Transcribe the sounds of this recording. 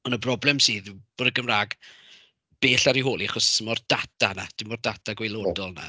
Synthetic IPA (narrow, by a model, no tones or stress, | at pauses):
ɔnəbrɔblˠɛmsiːðb̥oːdəɡəmraːɡ | b̥eːɬaɾiɦoːlˠiaχɔsəmɔrd̥atʰana̰d̥ɪmɔrdatʰaɡwelˠoːdɔlˠna̰